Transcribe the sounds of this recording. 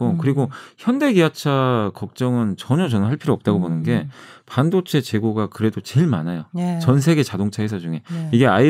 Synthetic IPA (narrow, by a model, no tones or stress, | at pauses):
okɯɾiɡoçjʌnde̞ɡiat͡ɕʰakʌk̚t͡ɕ͈ʌŋɯnt͡ɕʌɲʌt͡ɕʌnɦaɭpʰiɾoʌp̚t͈aɡobonɯnɡe̞pandot͡ɕʰe̞t͡ɕe̞ɡoɡakɯɾe̞dot͡ɕe̞ɭmanajot͡ɕʌnsʰe̞ɡe̞t͡ɕadoŋt͡ɕʰaes̬ʰʌd͡ʑuŋe̞iɡe̞ai